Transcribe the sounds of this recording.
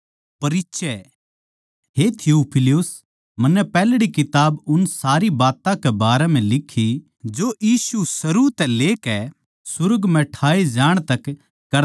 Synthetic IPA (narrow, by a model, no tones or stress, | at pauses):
pɐɾɪtːʃɛ | ɦet̪ʰɪouːpʰɪlɪʊs | mɐnːɛpɛːlɽikɪt̪aːbʊnsaːɾibaːt̪ãkɛbaːɾɛm̤ɛ̃lɪkʰːi | d͡ʒojiːsusɐɾut̪ɛleːkɛ | sʊɾəɡm̤ɛ̃ʈʰaːid͡ʒaːɽ̃t̪ɐkː | ɐɾ